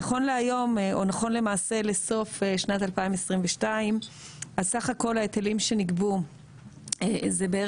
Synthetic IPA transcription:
aχo̞nleajo̞mʔo̞naχo̞nle̞maːse̞le̞so̞feʃnat̪alpaimesʁimveʃtaim | azsaχako̞laet̪elimʃe̞niɡbu | ezebee

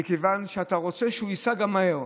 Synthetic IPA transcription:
ikevanʃeataʁo̞t͡se̞ʃeuisaɡamːaheʁ

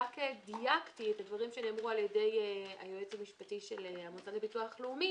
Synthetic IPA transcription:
kediaktitledvaʁimʃeneːmʁualjede̞ja̰joet͡samiʃpatiʃeleamot͡salebituaχleumi

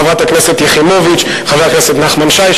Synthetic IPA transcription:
avʁat̪aknɛset̪jeχimovit͡ʃ | χavakneset̪naχmanʃaj

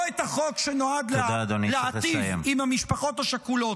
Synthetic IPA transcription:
et̪aχokʃeno̞ad̪ledad̪onileaeijvemimhamiʃpaχo̞t̪haʃakulo̞t

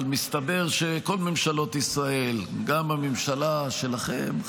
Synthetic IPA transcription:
lmist̪abe̞ʁʃeko̞lmemʃalo̞t̪isʁae̞lɡamamemʃalaʃe̞laχe̞m

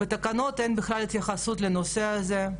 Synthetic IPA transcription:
bet̪ɐkano̞t̪ejnbɪxlalit̪jaχasut̪lenoseaze

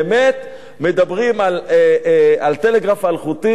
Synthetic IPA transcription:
met̪ | me̞d̪abʁimal | alt̪ele̞ɡʁafalχut̪i

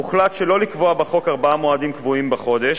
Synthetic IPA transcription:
muχlatʃelo̞likvo̞abaχo̞kaʁbaamoadimkvuimbaχo̞d̪eʃ

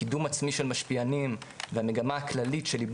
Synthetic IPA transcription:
idumat͡smiʃelmaʃpianimveame̞ɡamaːklalitʃe̞lib

